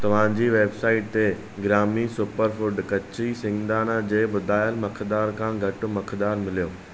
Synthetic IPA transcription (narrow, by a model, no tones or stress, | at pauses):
t̪ɐʋ̤ãd͡ʑiːʋeːbsaːɪʈ̚t̪e | ɡɾaːmisʊpəɾfʊɖkɐt͡ɕisɪ̃ŋɡd̪aːnad͡ʑeːbʊd̪ʱaːjəlmɐkʰd̪aːɾkʰãːɡʱɐʈʊ̆mɐkʰd̪aːɾmɪlijoː